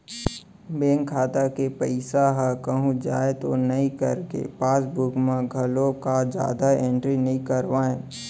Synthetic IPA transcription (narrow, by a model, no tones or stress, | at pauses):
beːŋkʰaːt̪akepəɪsaɦakəɦũd͡ʒa̰ːet̪o̰nɐɦĩkɐɾkḛpaːsbʊkmãɡʱɐlõkad͡ʒja̰ːd̪aẽɳʈɾinɐɦĩkəɾʋaːẽː